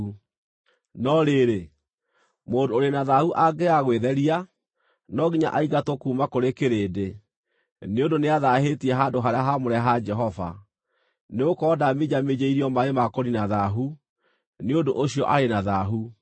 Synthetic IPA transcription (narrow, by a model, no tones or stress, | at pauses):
u | nɔɾeːɾe | moːndooɾenaðahuʔaɡeaɣweðɛɾia | nɔɣiɲa̰ʔaiɣatokuːmakoɾekeɾeːde | neondoneaðahetiɛɦandoɦaɾeaɦamoɾɛɦad͡ʒɛɦɔva̰ | neokɔːdamed͡ʑamed͡ʑeiɾiɔmaemakoɾinaðaɦu | neondoʔoɕiɔʔaɾenaðaɦu